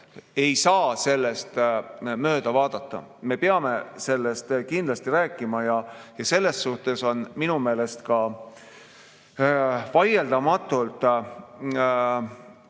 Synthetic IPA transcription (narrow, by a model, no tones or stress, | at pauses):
e̞jsɑːse̞lːe̞st̪mø̞ːd̪̥ɑvɑːd̪̥ɑt̪ːˑɑ̰me̞peɑme̞se̞lːe̞st̪kind̪lɑst̪iɾæːkːˑimɑjɑjɑse̞lːe̞sːuht̪e̞so̞nminume̞ːle̞st̪kɑ | vɑjeld̪̥ɑmɑt̪ːˑult̪ˑ